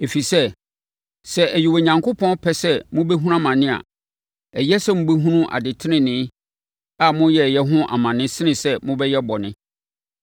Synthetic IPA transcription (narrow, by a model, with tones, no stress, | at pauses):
e˨fi˨sɛ˦ | sɛ˨ʔæ˨ji˨wo˨ɲã˨ŋkʰʊ˦pʰɔ̃˦npʰɛ˦sɛ˦mʊ̃˦bɛ˦ɦu˦a˦˨mã˨nɪ̃˦a̰˨ | ɛ˨jɛ˦sɛ˦mʊ̃˦be˦ɦũ˦nũ˦ʔa̰˨dɪ˨tʰɪ˦ɪ̃˦nɪ̃˦ | a˨mʊ̃˦jɛ˦˨jɛ˦ɦʊ̃˦ʔa̰˨mã˨nɪ̃˦sɪ˦nɪ̃˨sɛ˦mʊ̃˦bɛ˦jɛ˦bɔ˨nɪ̃˦